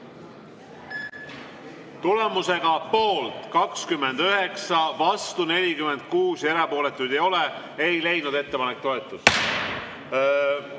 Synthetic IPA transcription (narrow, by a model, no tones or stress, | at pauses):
t̪ule̞muse̞ɡ̥ɑpo̞ːlt̪kɑkskymːe̞nd̪̥øɦe̞ksɑvɑst̪une̞lʲikyme̞nd̪̥̚kuːseɾɑpo̞ːle̞t̪ːˑujd̪̥ejo̞le | ejlejnud̪e̞t̪ːe̞pɑnek̚t̪o̞e̞t̪ːˑud̪̥